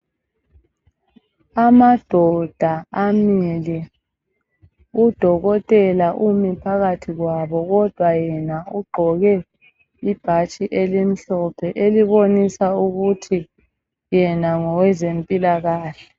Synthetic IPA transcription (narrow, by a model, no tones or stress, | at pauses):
amad̥ʱɔd̥ʱaamili | ud̥ʱɔɣɔtʼɛlaʔumipʰaɣatʰiɣwaβɔɣɔd̥ʱwajɛnauɡ͡ǃʱɔɣɛ | ib̥ʱat͡ʃʼiʔelim̩ɬɔpʰɛʔeliβonisauɣutʰi | jɛnaŋɔwɛzempʼilaɣaːɬɛ̥